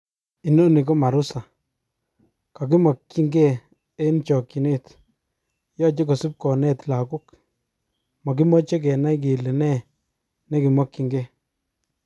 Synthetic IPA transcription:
i˨no˦ni˨kɔ˦ma˨ɾu˦sa˨ | ka˨ki˦mɔ˨kːi˦ŋɡe˦ | e˦nt͡ʃɔ˨ki˨ne˦˨t̪ | jɔ˦t͡ʃe˦kɔ˨su˦p̚kɔ˨nɛ˦t̪la˨ku˦k | mɔ˨k̬i˦mɔ˦t͡ʃe˦k̬ɛ˨na˦jk̬i˨li˨nɛ˦˨ | nɛ˦kɪ˨mɔ˦kːi˦ŋɡe˦˨

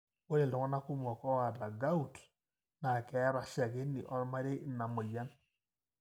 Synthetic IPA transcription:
wo˦ɾe˨ldɔ˨ŋɔ˦na˦ku˦m˨ɔ˨kɔ˦wa˨da˨ɡa˦u˨t | na˨kɛ˨˦ɾa˨ʃa˨ɣe˦nḭ˨ʔɔ˦ɾma˦ɾe˦na˨mo˨la˦n

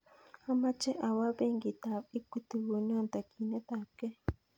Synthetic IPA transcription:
a˦ma˦t͡ʃɛ˦ʔa˨wa˦be˦ŋɡi˨ta˨βi˦ku˦t̪i˨wo˨n˦ɔ˦nt̪a˨kʰi˨nɛ˦t̪a˨kɛ˦

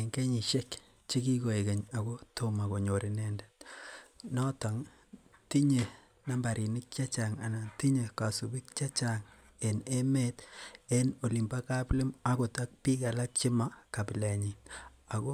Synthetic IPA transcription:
e˨ŋɡe˦ɲi˨ʃe˦k | t͡ʃe˦ki˦ko˨e˨ke˨ɲa˨ko˦to˦ma˨ko˨ɲo˨ɾi˨ne˦nde̥˦t | nɔ˦ta˨ŋ | ti˦ɲe˨ | na˦mba˨ɾi˨nɪ˦k̚t͡ʃa˦t͡ʃa˨ŋa̰˨na˨nti˦ɲe˨ka˨su˨bɪ˦k̚t͡ʃa˦t͡ʃa˨ŋ | e˨ne˦me˦te˦no˨li˨mba˦ka˦ple˦ma˦ko˨ta˦k̚pi˦ka˨la˦k̚t͡ʃɪ˦ma˦ka˨pɪ˨le˨ɲi˨ | a˨ko˦

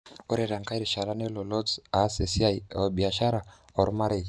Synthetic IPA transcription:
o˦ɾe˨ɾa˨ŋka˦iɾi˨ʃa˨la˦ne˦lo˨lɔ˦zase˨si˦aj̰bi˨a˨ʃa˦ɾa˨ | o˨ɾuma˦ɾei

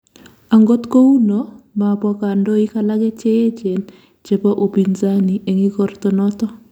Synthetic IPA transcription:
a˨ŋɡo˦t̪ko˦u˦nɔma˨pɔ˦ka˨ndo˦i˦ka˦la˦ɡɛ˦t͡ʃe˦je˦t͡ʃe˨n | t͡ʃe˨pɔ˦ʔo˨pi˨nza˦ni˨ʔe˨ŋi˦kɔ˦rt̪ɔ˦nɔ˦t̪ɔ˦

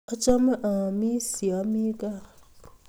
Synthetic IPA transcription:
a˦t͡ʃa˦mə˦ʔa˨mi˦si˨a˨˦mi˦ka˦˨u˨

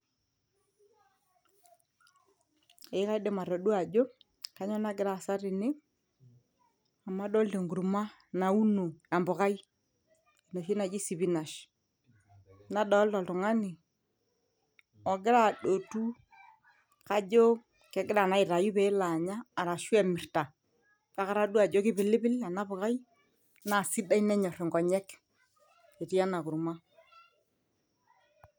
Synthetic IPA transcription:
e˨˦ka˦i˦ɗe˦ma˨ɾo˨ɗu˦a˨d͡ʒo˦ | ka˦ɲɔ˦na˦ɡɪ˦ɾa˨sa˦ɾɪ˨nɪ˦ | a˨ma˦ɗo˦lte˨ŋɡu˨ɾu˨ma˦ | na˨u˦no˨a˨mbʊ˨ɣa˦i˦ | i˨no˨ʃi˦na˨d͡ʒi˦si˨βi˦na˨ʃ | na˦ɗɔ˦ltɔ˨ltʊ˨ŋa˦ni˨ | ɔ˨ɡɪ˦ɾa˦˨ɗo˨tu˦ | ka˦d͡ʒo˦ | kɛ˨ɡɪ˦ɾa˨na˨˦ɪ˨ta˨ju˦pe˨˦la˨ɲaː˦˨ɾa˨ʃu˦ɛ˦˨mɪ˨ɾta˨ | ka˦ka˦ɾa˦du˦a˨d͡ʒo˦kɪ˦bɪ˨lɪ˦bɪ˦la˨na˦bʊ˨ka˦j | na˨si˦da˦i˦nɛ˦ɲɔ˨ɾɪ˨ŋɡɔ˨ɲɛ˦k | e˨ti˦ja˦na˨ku˨ɾma˦

